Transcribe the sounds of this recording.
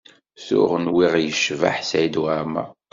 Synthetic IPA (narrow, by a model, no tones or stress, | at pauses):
θʊ̰ʁənwiʁjəʃva̰ħsæjd̪wæmæ̰